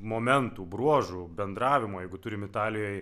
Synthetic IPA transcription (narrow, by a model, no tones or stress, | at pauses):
moːmʲɛnt̪uːbɾuɔʒubʲɛnd̪ɾɑːʋʲɪmoːjɛɪɡʊt̪ʊɾʲɪmɪt̪ɑːlʲɪjoːj